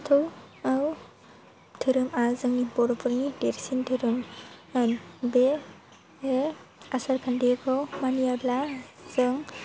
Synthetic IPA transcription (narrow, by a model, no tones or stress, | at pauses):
tʰɯwaw | tʰɯɾɯmazɯŋnibɔɾɔpʰɯɾŋideɾsintʰɯɾɯmɯnbe | easaɾkʰandeɡʰɔmanijablaz̥ɯŋ